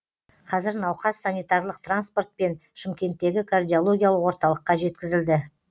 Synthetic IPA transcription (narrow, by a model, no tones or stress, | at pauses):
qʰɑzɪɾnɑwqɑsːanijt̪ɑrlˠəqt̪ranspo̞rt̪̚pe̞nʃɪmkʲe̞nt̪ːe̞ɡʲɪkʰard̪ʲijo̞lˠo̞ɡʲijalˠəqwoɾt̪ɑlˠəqːɑʒe̞t̪kʲɪzɪld̪ɪ